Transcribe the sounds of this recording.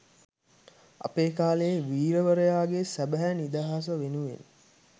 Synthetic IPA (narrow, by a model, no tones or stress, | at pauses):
a̰peːkaːlejeʋiːɾəʋəɾəjaːɡesæbæɦænid̪aɦas̬əʋenuʋḛn